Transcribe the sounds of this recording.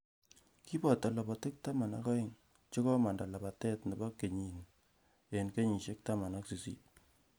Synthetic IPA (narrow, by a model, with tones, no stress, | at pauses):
ki˦bɔ˨ta˨la˨ba˨te˦k̚ta˦ma˨na̰˦kɔ˦ɪ˨ŋ | t͡ʃe˦kɔ˦ma˨nda˨la˨ba˨tɛ˦tne˨ba˦kːe˨ɲi˨n | e˨nke˦ɲi˨ʃe˦k̚ta˦ma˨na˦ksi˨sḭ˦t̚